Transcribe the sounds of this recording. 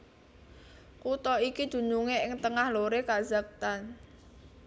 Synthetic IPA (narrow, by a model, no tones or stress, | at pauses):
kut̪ɔikid̪̥ṳnuŋeɪŋt̪əŋahloɾekaz̥a̤k̚t̪an